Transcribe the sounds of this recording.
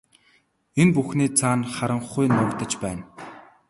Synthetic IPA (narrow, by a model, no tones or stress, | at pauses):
enpuxniːt͡sʰaːnχaɾə̆ɴχujnɔkt̪ə̆t͡ɕpæːn